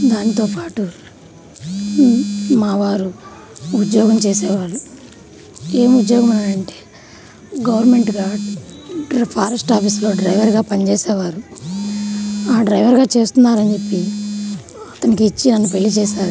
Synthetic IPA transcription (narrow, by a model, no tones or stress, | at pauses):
d̪aːnit̪oːpaːʈu | maːʋaːɾu | ud̪jɔːɡɐmt͡ʃɛːsɛːʋaːɽu | eːmud̪joːɡɐmunːaːɾɐɳʈe̥ː | ɡɐʋɐɾnme̞ɳʈɡaː | pʰaːɾɐsʈaːpʰiːslo̞ːɖɾɐjʋɐɾɡaːpɐnt͡ʃɛːsɛːʋaːɾu | aːɖɾɐjʋɐɾɡaːt͡ʃe̞ːst̪unːaːɾɐɲd͡ʒe̞pːi | ɐt̪ɐnikiːt͡ʃːinɐnːupe̞ɭːit͡ʃɛːʃaːɾu